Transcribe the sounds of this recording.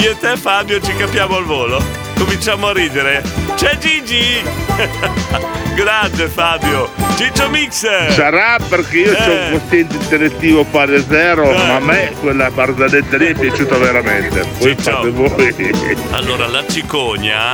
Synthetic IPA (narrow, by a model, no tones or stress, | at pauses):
iet̪ɛfabjot͡ʃikapːjaːmoalvoːlo | komint͡ʃaːmoarːiːd̪eɾet͡ʃɛd͡ʒid͡ʒi | ɡɾasefabjot͡ʃit͡ʃomikssaɾaperkeiːot͡ʃɔuŋkost̪jɛnt̪̬eint̪elet̪ːiːvopaɾed̪zɛːɾomamːekwelːaparzad̪et̪ːaliɛpːjat͡ʃuːt̪aveɾament̪epɔiaevɔja̰lːoːɾalat͡ʃikoɲa̰